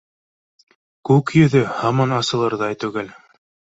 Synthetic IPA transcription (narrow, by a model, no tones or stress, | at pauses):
kʉkjɵ̆ðɵhɑmɑnɑsɤ̆lˠɤɾðɑjt̪ʉɡæl